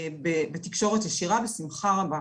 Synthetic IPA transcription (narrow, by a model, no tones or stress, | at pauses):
bebet̪ikʃo̞ʁetjeʃiʁavesimχaaba